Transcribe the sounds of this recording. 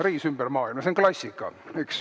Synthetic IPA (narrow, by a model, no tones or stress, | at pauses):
riːsymb̥ærmɑːilmɑseŋklɑsʲːikːɑeks